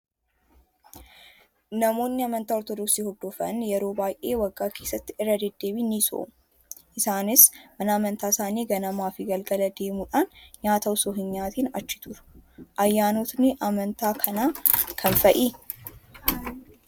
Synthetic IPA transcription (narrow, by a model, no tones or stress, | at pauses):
nɐmo̞ːnːɪɐmɐnt̪aːɔɾt̪ɔd̪ɔksiːhɔd̪ːofɐ̰njɛɾo̞ːbaːjʔe̞ːwɐɡːaːkʰe̞ːsːɐt̪ːɪɪrːɐd̪ɛd̪ːeːbiniso̰ʔ | ʔɪsaːnɪsmɐnɐːmɐnt̪aːsaːniːɡɐnɐmaːfɪɡɐlɡɐlɐd̪e̞ːmuᶑaːnɲaːt̪ɐʊsoːɦɪnɲaːt̪iːnɐ̰t͡ʃːɪ̥t̪ʰʊɾʊ̥ʔɐjːaːnot̪nɪʔɐmɐnt̪aːkʰɐnaːkʰɐnfɐʔiː